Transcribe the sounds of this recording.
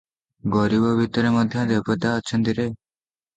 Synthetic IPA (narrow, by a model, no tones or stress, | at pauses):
ɡɔɾibɔbʱit̪ɔɾemɔd̪ʱjɔd̪epɔt̪aɔt͡ʃʰɔ̃nt̪iɾe